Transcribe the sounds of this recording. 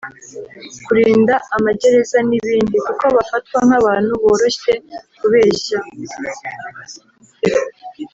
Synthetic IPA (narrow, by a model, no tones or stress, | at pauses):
kuɾiːndaamaɟe̞ɾe̞zaniβiːndikuko̞βafat̚waŋ̥haβaːn̥huβo̞ːɾo̞ɕe̞kuβe̞ːɕa